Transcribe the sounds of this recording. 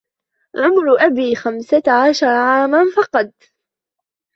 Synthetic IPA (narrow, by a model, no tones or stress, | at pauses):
ʕʊmɾʔabiːxamsaʕaʃɑɾˤʕaːmanfɑqɑd̪̚ˤ